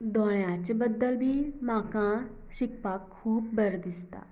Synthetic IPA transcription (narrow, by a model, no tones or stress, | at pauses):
d̪ɔːɽ̃ãt͡ʃbəd̪əlbʱiːmãːkãː | ʃɪk̚paːkʰːuːb̚bəɾd̪ɪst̪a̰ː